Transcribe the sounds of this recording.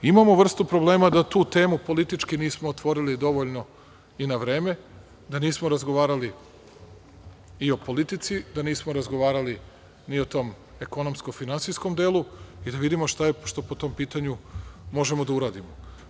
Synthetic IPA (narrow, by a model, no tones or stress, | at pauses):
imamo̞ʋr̩st̪upɾo̞blˠe̞ːmad̪at̪uːt̪e̞ːmupo̞lit̪it͡ʃkiniːsmo̞ːt̪ʋo̞ɾilid̪o̞ʋoʎno̞ | inaʋɾe̞ːme̞ | d̪aniːsmoɾazɡoʋaːɾali | io̞po̞lit̪it̪sid̪aniːsmo̞ɾazɡo̞ʋaːɾali | nio̞t̪o̞ːm | e̞ko̞nomsko̞finansisko̞md̪eːlˠuid̪aʋid̪imo̞ʃt̪aeʃt̪o̞pot̪o̞mpiːt̪aɲumo̞ʒe̞mod̪auɾaːd̪imo